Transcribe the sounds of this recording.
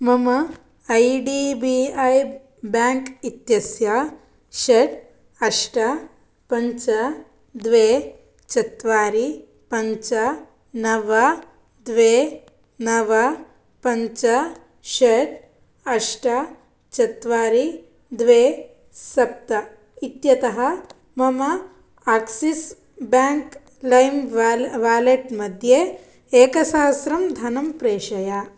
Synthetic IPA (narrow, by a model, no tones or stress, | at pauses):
mɐmɐ | ɐjɖiːbiɐj | baːŋkit̪jɐsjaː | ʃɐʈ | ɐʂʈɐ | pɐɲt͡ʃɐ | d̪ʋeː | t͡ʃɐt̪ʋaːɾi | pɐɲt͡ʃɐ | nɐʋɐ | d̪ʋeː | nɐʋɐ | pɐɲt͡ʃɐ | ʃeɾ | ɐʂʈɐ | t͡ʃɐt̪ʋaːɾi | d̪ʋeː | sɐp̚t̪ɐ | it̪jɐt̪ɐɦɐ | mɐmɐ | aːksis | baːŋk | lɐjmʋaːleʈmɐd̪ʱje | eːkɐsaːɦɐsɾɐmd̪ʱɐnɐmpɾeːʂɐja